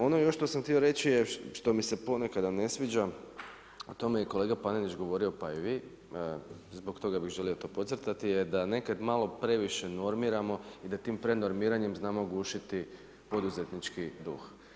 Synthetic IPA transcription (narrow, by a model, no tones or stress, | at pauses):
o̞nojoʃt̪o̞samxt̪io̞ɾe̞t͡ʃijeʃt̪o̞mise̞po̞ne̞kad̪ane̞sʋid͡ʒa | ot̪o̞mejeko̞lˠe̞ːɡapanenlit͡ʃɡo̞ʋo̞ɾio̞paiʋi | zbo̞kt̪o̞ɡabixʒe̞lio̞t̪o̞ːpo̞t̪sɾt̪at̪ijed̪ane̞kad̪malˠo̞pɾe̞ʋiʃe̞no̞ɾmiɾamo̞id̪at̪iːmpɾe̞no̞ɾmiːɾaɲe̞mznaːmo̞ɡuːʃit̪i | po̞d̪uze̞t̪nit͡ʃkid̪ṵx